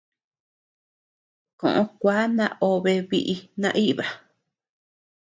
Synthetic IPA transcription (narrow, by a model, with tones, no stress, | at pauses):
kõ̰˨ʔõ˧kʷaː˦nã̰˦ʔo˧βe˧βi˧ʔi˧nã˧ʔi˦ʔβa˨